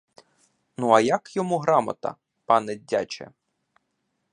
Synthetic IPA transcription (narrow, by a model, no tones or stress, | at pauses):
nuɐjɐkjɔmuɦɾɑmɐ̰t̪ɐ̰ | pɑnɛdʲːat͡ʃɛ̰